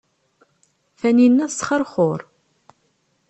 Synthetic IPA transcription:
fæninːæsχəɾˤχʊɾˤ

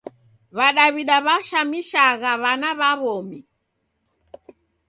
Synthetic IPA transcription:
βaɗaβiɗaβaʃamiʃaɣaβanaβaβɔmi

